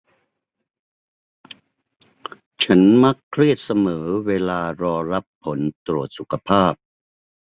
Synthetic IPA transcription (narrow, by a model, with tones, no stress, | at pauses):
t͡ɕʰa˦˥nma˦˥kʰɾi˥˩ət̪̚sa˧mɤː˩˦weː˧laː˧ɾɔː˧ɾa˦˥pʰːo˩˦nt̪ɾu˨˩ət̪̚su˨˩kʰa˧pʰaː˥˩p̚